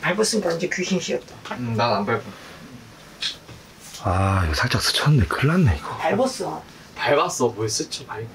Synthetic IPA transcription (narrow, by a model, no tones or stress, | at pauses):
paɭbʌs͈ɯɲik͈aind͡ʑekuɕiŋɕ͈ʰiʌt̚t͈anananbaɭbo | aiɡʌsʰaɭt͡ɕ͈ak̚s͈ɯ̥t͡ɕʰʌnːekɯɭːanːeiɡʌpaɭbʌs͈ʌ | taɭbas͈ʌpoes͈ɯt͡ɕ͈ʰipaɭ